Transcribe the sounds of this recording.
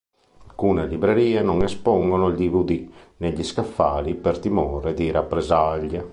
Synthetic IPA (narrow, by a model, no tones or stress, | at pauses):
kunalibɾeɾiːanɔŋɛspɔŋɡonold̪ivud̪ineʎiskafːaːlipert̪imɔːɾed̪iɾapːɾɛzaʎːa